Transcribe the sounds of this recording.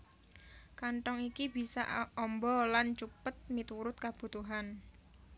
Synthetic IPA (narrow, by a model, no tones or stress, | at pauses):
kaɳʈɔŋikib̥i̤sa̰ʔɔmbɔlant͡ʃupət̪̚mit̪uɾʊt̪̚kab̥ṳt̪uɦan